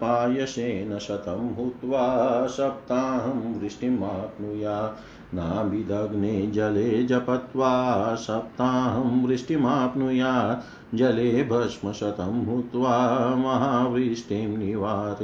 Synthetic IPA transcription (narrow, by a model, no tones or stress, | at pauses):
paːjɐseːnɐʃɐt̪ɐmɦut̪ʋaːsɐp̚t̪aːɦɐmʋɾiʂʈimaːpnujaː | naːbʱid̪ɐɡneːd͡ʒɐleːd͡ʒɐpɐt̪ʋaːsɐp̚t̪aːɦɐmʋɾiʂʈimaːpnujaː | d͡ʒɐleːbʱɐʂmɐsɐt̪ɐmɦut̪ʋaːmɐɦaːʋɾiʂʈeːmniʋaːɾ